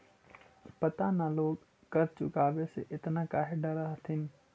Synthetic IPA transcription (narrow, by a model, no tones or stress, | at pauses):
pɐt̪anãloːɡ | kɐɾt͡ʃʊ̰kaːʋesḛʔɪt̪nãkaːɦeɖɐɾaɦt̪ʰɪnɪ